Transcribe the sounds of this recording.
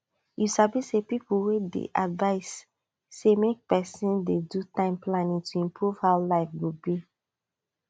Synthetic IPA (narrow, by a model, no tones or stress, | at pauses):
jusabisepip̩wedḛʔadvaɪsː | emek̚pɛsĩndedutãɪ̃mplanĩŋtʰuĩmpʰɹuv̥haʊlaɪfɡubi